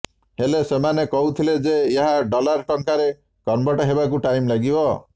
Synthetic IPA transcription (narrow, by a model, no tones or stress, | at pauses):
helesemanekɔɦut̪ʰiled͡ʒeːɦaɖɔlaɾʈɔŋkaɾe | kɔnbɔʈɔɦebak̬uʈajmlaɡibɔ